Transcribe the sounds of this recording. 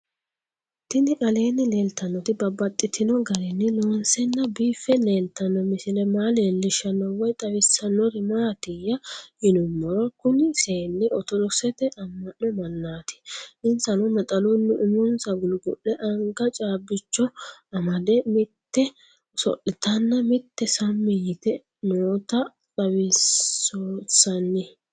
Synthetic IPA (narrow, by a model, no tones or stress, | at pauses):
t̪ːɪnɪkʼɐle̞ːnːɪleːlt̪ɐnːɔt̪ɪbɐbːɐt̪ʼːɪt̪ɪnɔɡɐɾɛnːɪloːnsɛnːɐbiːfɛne̞ːlt̪ːɐnːɔmɪsɪlɛmaːleːlːɪʃɐnːɔwɔjt̪ʼɐwɪsːɐnːɔɾɪmaːt̪ɪjɐhɪnʊmːɔɾɔkʊnɪseːnːɪɔt̪ɔlɔsɛt̪ɛʔɐmːɐnːɔmɐnːaːt̪ɪ̥ɪnsɐnɔmɛt̪ʼɐlʊnːʊʔɪmʊnsɐɡʊlɡʊ̰ʔɛʔɐŋɡɐt͡ʃʼaːbːɪt͡ʃːɔɐmɐd̪ɛmɪt̪ːɛ | sɔ̰ʔɪt̪ɐnːɐmɪt̪ːɛsɐmːɪjɪt̪ɛ | noːt̪ɐ | t̪ʼɐwɪ | oːsɐnːɪ